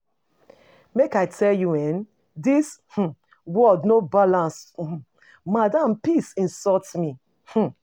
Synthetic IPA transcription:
mekaɪtʰɛljuɛn | dish̩ | wɔdnobalãns̩ | madãmpisĩnsɔtmi | h̩

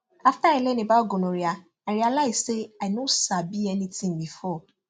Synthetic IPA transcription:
aftailɛnĩbaoɡonõɾia | aɾialaɪzseaɪnosabiɛnĩtʰĩŋbifɔ

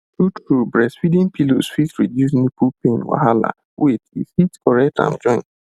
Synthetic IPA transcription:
tutɹubɹɛsfidĩnpilosfisɹidjus̬nipupẽnwa̰ɦala̰ | wiθishitkɔɹɛk̚tã̰nd͡ʒɔ̃ɪ̃nt

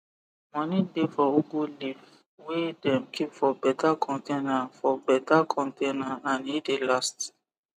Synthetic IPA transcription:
mɔ̃nĩdefɔoɡoliv | wedɛ̃mkʰipfɔbɛtakʰɔ̃ntenafɔbɛtakʰɔ̃ntenaanedelast

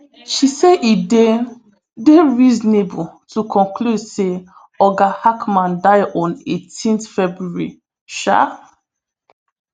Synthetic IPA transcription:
ʃiseʔide | deɹizɔnebutʰukʰɔ̃nkʰludse | ɔɡahakmãndaɪdɔ̃netʰĩnθfɛbɹuɹḭ | ʃa̰

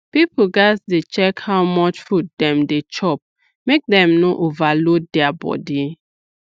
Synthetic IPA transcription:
pipl̩ɡasdet͡ʃɛkhawmɔt͡ʃfut̚dɛ̃mdet͡ʃɔp̚ | mek̚dɛ̃mnoʔovalot̚dɛabɔ̰di

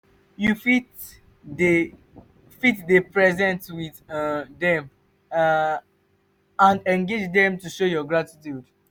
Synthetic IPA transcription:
jufit | fitdepɹɛzɛ̃ntwiðdɛ̃m | ãndɛ̃nɡed͡ʒdɛ̃mtuʃojɔɡɹatitjud

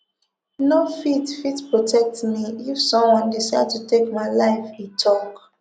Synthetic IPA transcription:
nofitfitpɹotʰɛk̚tmiifsɔ̃mwɔ̃ndisaɪd̚tutʰekmaɪlaɪfitʰɔ̃ŋɡ

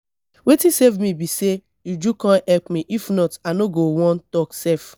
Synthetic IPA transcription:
wetisevmibise | jud͡ʒukãnɛlpmiʔifnɔtanoɡowɔ̃ntɔksɛf

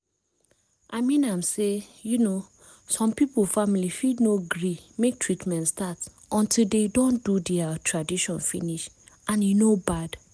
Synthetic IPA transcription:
ʔaɪmĩnãmsejuno | sɔ̃mpipəfamilifidnoɡɹimek̚tʰɹitmɛ̃ntstat | ʔɔ̃ntʰilˠdedõndudɛatʰɹadiʃɔ̃nfḭniʃ | ãnjunobad̥

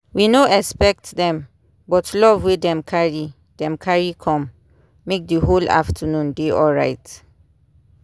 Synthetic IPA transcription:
winoɛspɛk̚tdɛ̃m | bɔtʰlɔvwedɛ̃mkʰaɹi | d̥ɛ̃mkʰaɹikʰɔ̃mː | ek̚dəɦola̰ftʰənũndeɔɹaɪt

